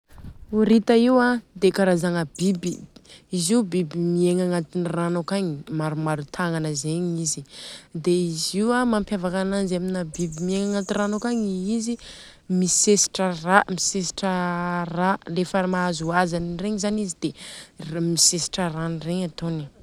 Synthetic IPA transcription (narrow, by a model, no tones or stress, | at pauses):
uɾit̪əiwad̪ekaɾazaŋəbibiiziubibimieŋaŋat̪iniranokaɲimaɾumaɾut̪ʰaŋanəzeɲizid̪eiziwamampjavakananzaminabibimieŋaŋat̪iranokaɲiizi | misesi̥ʈ͡ʂəramisesi̥ʈ͡ʂəralefəmaazuazanireɲizanizid̪̥e | misesi̥ʈ͡ʂəranireɲat̪oni